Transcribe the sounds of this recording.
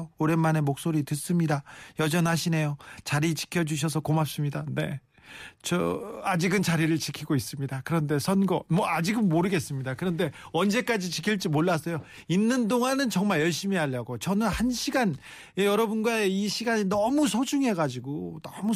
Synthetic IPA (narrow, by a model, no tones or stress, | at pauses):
oɾe̞nmane̞mok̚s͈oɾitɯs͈ɯmɲidajʌd͡ʑʌnɦaɕʰine̞jot͡ɕaɾit͡ɕi̥kʰjʌd͡ʑuɕ̬ʰʌs̬ʰʌkomap̚s͈ɯmɲidane̞̰ | t͡ɕʌad͡ʑiɡɯnt͡ɕaɾiɾɯɭt͡ɕikʰiɡois͈ɯmɲidakɯɾʌnde̞sʰʌnɡʌmwʌad͡ʑiɡɯnːoɾɯɡe̞s͈ɯmɲidakɯɾʌnde̞ʌnd͡ʑe̞k͈ad͡ʑit͡ɕikʰiɭt͡ɕ͈imoɭːas͈ʌjo | inːɯndoŋanɯnt͡ɕʌŋmaɭjʌɭɕ͈imiaʎːaɡot͡ɕʌnɯnhanɕʰiɡan | jejʌɾʌbunɡwaeiɕʰiɡaɲinʌmusʰod͡ʑuŋɦe̞ɡad͡ʑiɡonʌmu